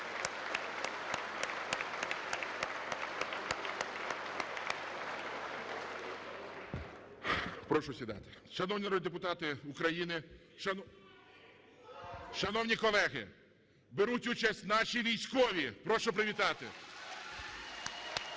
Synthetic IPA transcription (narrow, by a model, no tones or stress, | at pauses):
pɾɔʃʊsʲʋʲid̪ɑ̰t̪ɪ̥ʃɐnɔwnʲiɐɾɔd̪epʊt̪ɑt̪ɪʊkɾɐjinɪ | ʃɐ | ʃɐnɔwnʲikɔlˠɛɣɪ̰ | beɾutʲut͡ʃɐsʲtʲnɑʃiʋʲijsʲkɔʋʲipɾɔʃɔp̬ɾɪʋʲit̪ɑt̪ɪ